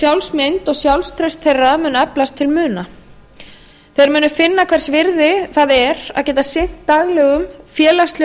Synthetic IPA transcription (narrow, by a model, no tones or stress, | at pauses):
sjawlsmɪnt̪ɔɣsjawlst̪ʰɾœɥst̪ʰejrːamʏːnɛplast̪ʰːɪlmʏːna | θejðaɾmʏːnʏfɪnːakʰvɛɾ̥svɪɾðɪθaːðɛɾa̰ðcɛːt̪asɪn̥t̪ːaɣlɛɣʏmfjɛːlast̪l